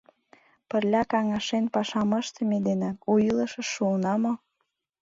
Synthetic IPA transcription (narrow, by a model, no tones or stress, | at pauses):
pərlʲɑkɑŋɑʃenpɑʃɑmə̆ʃt̪əmed̪eneujiləʃə̆ʃːunɑmo